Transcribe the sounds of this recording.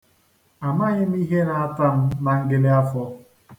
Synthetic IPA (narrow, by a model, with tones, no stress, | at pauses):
a˨ma˦ɲɪ˦m̩˦i˦ɦe˦ɾa˦a˦ta˦m̩˦na˨ŋ̩˦ɡɪ˦le˦a˦fɔ˦